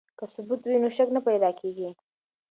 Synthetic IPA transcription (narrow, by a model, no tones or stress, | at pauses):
kəsʊbut̪winoʃaknapajd̪ɑkeɡi